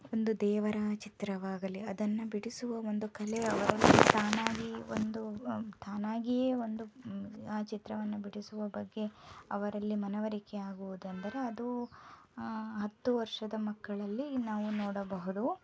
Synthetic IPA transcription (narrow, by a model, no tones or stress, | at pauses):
o̞nd̪ud̪ɛːʋɐɾaːt͡ʃit̪ɾɐʋaːɡɐliɐd̪ɐnːɐbiɽisuʋɐo̞nd̪ukɐleɐʋɐɾɐlːist̪ʰaːnaːɡio̰nd̪ust̪ʰaːnaːɡijeːo̞nd̪uaːt͡ʃit̪ɾɐʋɐnːɐbiɽisuʋɐbɐɡːe̞ɐʋɐɾɐlːimɐnɐʋɐɾikeaːɡuʋud̪ɐnd̪ɐɾe̞ɐd̪u | ɦɐt̪ːuʋɐɾʂɐd̪ɐmɐkːɐɭɐlːinaːʋunoːɽɐbɐɦud̪u